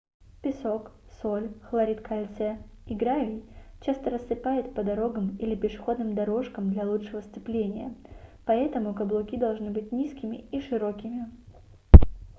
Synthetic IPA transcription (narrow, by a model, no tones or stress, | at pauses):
pʲɪso̞ksolʲxlˠɐɾʲit̪kɐlʲt̪sɛiɡɾavʲɪjt͡ɕast̪əɾəssɨpajɪt̪pəd̪ɐɾo̞ɡəmilʲɪpʲɪʂɨ̥xo̞d̪nɨmd̪ɐɾo̞ʂkəmd̪lʲɐlˠuʂɨvəst̪sɨplʲenʲɪjəpɐɛt̪əmʊkɐblˠʊkʲid̪ɐlˠʐnɨbɨt̚ʲnʲiskʲɪmʲɪiʂɨɾo̞kʲɪmʲɪ